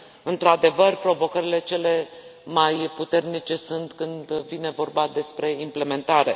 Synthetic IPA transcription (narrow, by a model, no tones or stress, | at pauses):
ɨnt̪ɾad̪e̞vərpɾo̞vo̞kəɾile̞t͡ʃe̞le̞majput̪e̞rnit͡ʃe̞sunt̪kɨnd̪vine̞vo̞rbad̪e̞spɾe̞imple̞me̞nt̪aɾe̞